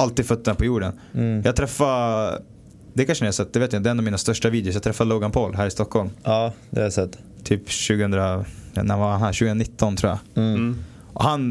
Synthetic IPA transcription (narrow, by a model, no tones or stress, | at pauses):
alt̪iːd̪fœt̪ːənpʰɔjuːɖən | jɑːɡ̚t̪ʰɾɛfːa | d̪ɛkʰanʂənːasɛt̪̚ːd̪ɛveːt̪jad̪ɛnːɔvmiːnast̪œʂʈaviːd̪jʊsjɑɡt̪ʰɾɛfːadloːɡanpʰoːlɦæːɾɪst̪ɔkhɔlmɑːd̪ɛ̰sɛt̪ː | t̪ʰyːpɕʉːɡəhɵnd̪ɾaa̰nævahanhæːɾɕʉːɡənaɪt̪ːɔnt̪ʰɾuːaja̰ | ʔɔhan